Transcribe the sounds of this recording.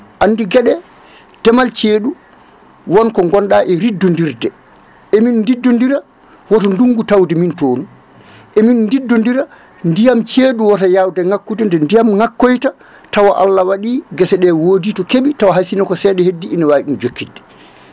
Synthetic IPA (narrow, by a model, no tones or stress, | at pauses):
ʔandiɡɛɗɛ | d̥ɛmalt͡ʃeːɗu | wɔnkɔŋɡɔnɗaʔɛɾidːondiɾdɛ | ʔeminndidːondiɾa | wɔtanduŋɡutawdɛmintoːnu | ʔeminndidːondiɾa | ndijamt͡ʃeːɗuwɔtajawdɛŋakːutɛndɛndijamŋakːojta | tawaʔa̰lːawaɗiɡɛsɛɗɛwoːditɔkeɓitawaɦasinakɔsɛɗɛhedːiinawaɗumd͡ʒokːidːɛ̥